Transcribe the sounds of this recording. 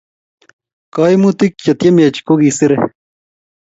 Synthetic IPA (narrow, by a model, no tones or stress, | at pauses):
kaːjmut̪ikt͡ɕɐt̪jɐmet͡ɕkoɡisiɾe